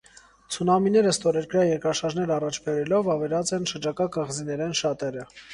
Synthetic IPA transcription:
t͡sʰunɑminɛɾəst̪ɔɾɛɾkɾjɑjɛɾkɾɑʃɑɾʒnɛɾɑrɑt͡ʃʰbɛɾɛlɔvɑvɛɾɑt͡sɛnʃəɾd͡ʒɑkɑkəʁzinɛɾɛnʃɑt̪ɛɾə

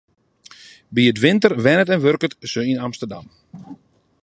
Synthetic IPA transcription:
biətʋɪntərʋɛnətɛnʋørkətsøinamstərda̰m

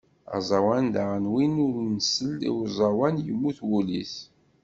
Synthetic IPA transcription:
ɑ̰zˤɑwænd̪aʁənwinʊɾnsəlːḭwzˤɑwænjəmːuθwulḭθ

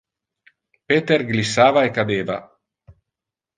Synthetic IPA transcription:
peːt̪erɡlisːaːvaekad̪eːva̰

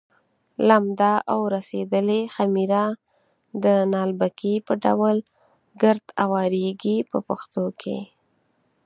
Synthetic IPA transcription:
lamd̪aʔawɾased̪əlexamiɾa | d̪ənɑlbakipəɖa̰wəl | ɡəɾd̪awɑɾeɡipəpaxt̪okʰḛ

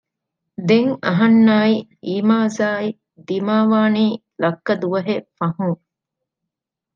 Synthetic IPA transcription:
d̪eŋɐɦɐnːaːiiːmaːzaːi | d̪imaːʋaːniː | lɐkːɐd̪uʋɐɦefɐɦuŋ

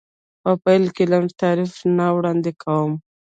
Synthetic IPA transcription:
pəpajlkelamt̪ɑɾifnawɽɑnd̪ekʰawəm

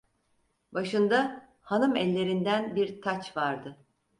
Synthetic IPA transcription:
baʃɯnd̪a | hanɯmɛlʲːe̞ɾind̪ænbiɾt̪ʰat͡ʃvaɾd̪ɯ

